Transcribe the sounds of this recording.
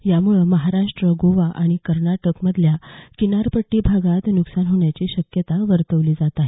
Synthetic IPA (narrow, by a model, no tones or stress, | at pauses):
jamuɭəməɦaɾaʂʈɾəɡoʋaʔaɽ̃ikəɾnaʈəkməd̪ʱljakinaɾpəʈːiːbʱaɡat̪nuksanɦoɳjat͡ɕiːɕəkjət̪aʋəɾt̪əʋliːd͡zat̪aɦe